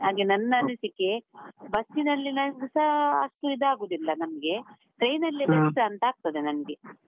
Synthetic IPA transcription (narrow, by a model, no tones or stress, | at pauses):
ɦaːɡenɐnːɐnisikːebɐsːinɐlːinɐsɐɐ̰ʂʈuid̪aːɡuːd̪ilːɐnɐmɡe̞ | ʈɾejnɐlːibɐɾiʈɐɐnt̪ɐaːɡ̚t̪ɐd̪enɐnɐɡe